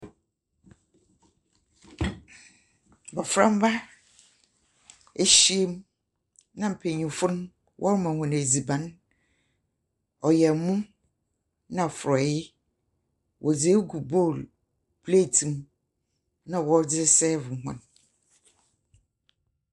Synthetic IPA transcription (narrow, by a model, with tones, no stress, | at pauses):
bɔ˨fɾã̰˦m˦ba˦ | e˦ɕi˦e˦m | nã˨m̩˨pʰe˨ɲĩ˨fʊ˦n˦ | wʔɔ̰˦ɾmã˨hɔ̃˨n˨e˨d͡zi˨bã˨˦n | ɔ˨jɛ˨mũ˦ | nã˨fʊ˨ɾɔ˨jɪ˦ | wʔɔ˨d͡ze˦ɡu˨bo˦˨l | pʰle˦˨tʰĩ˨m | nã˨wɔ˦ɾd͡zɪ˦sɛ˦vʊ˨hɔ̰̃˨n